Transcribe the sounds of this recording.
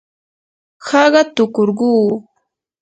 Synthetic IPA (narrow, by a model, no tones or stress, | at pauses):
hɑɢɑt̪ʊkoɾɢuː